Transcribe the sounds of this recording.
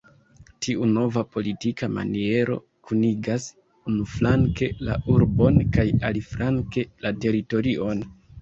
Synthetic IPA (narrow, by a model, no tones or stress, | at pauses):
tʰiʔuno̞vapo̞litikama̰nie̞ɾo̞̰ | kʰuniɡas | unuflaŋke̞la̰ʔuɾbo̞nkajaliflaŋke̞late̞ɾito̞ɾiʔo̞n